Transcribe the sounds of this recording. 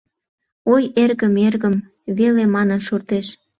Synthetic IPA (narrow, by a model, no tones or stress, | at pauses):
ojerɣəmerɣəm | βelemɑnənʃort̪eʃ